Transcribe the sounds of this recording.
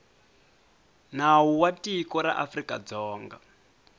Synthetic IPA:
nawuwatʼikɔɾa̰ʔafrikʼad͡zɔːŋɡa̰

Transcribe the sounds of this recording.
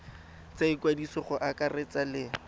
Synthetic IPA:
t͡saɪkwadisɔχʊʔakaret͡salɪ

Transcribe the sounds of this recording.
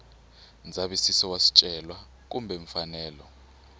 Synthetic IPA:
nd͡zʱaɓisisɔwasi̥t͡ʃʼɛlwa | k̬umbʱeɱfanɛːlɔ

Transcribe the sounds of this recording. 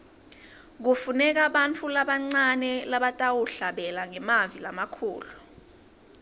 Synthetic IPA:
k̬ufunɛk̬aɓant͡fʰulaɓaŋ͡ǀanɛlaɓatʼawuɬaɓɛlaŋɛmavilamakʰṵːlu

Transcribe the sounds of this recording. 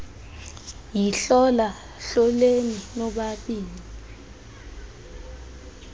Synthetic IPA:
jiɬɔla | ɬɔleninɔɓaɓiːni

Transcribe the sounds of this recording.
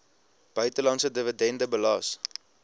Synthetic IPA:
b̥œɥtəlɑnsədəvədɛndəbəlɑːs

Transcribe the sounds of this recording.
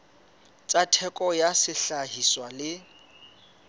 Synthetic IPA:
t͡sʼatʰɛkʼɔjasɪɬaɦiswalɪ

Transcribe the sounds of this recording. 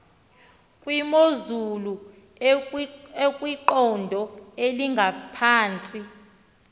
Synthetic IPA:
kʼwimozulu | ekʼwiǃɔndʱɔeliŋɡʱapʰaːnt͡sʼi

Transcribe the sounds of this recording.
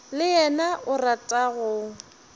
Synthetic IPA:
lɪɛnaʔʊratʼaɣʊ

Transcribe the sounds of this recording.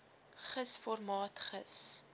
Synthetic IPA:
χəsfɔrmɑːtχəs

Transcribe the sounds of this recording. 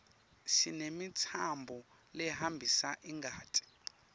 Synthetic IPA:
ʃinemitʰambʱɔ | lɛɦambʱisaʔiŋɡʱaːtʼi̥

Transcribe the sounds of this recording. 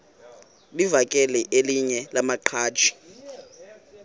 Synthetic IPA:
livakʼɛlɛʔeliɲɛlamaǃʰḁːt͡ʃʰi̥

